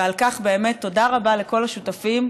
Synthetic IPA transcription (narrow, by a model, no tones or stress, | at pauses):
alkaχbe̞ːme̞t̪ːo̞daʁabaleko̞laʃutafim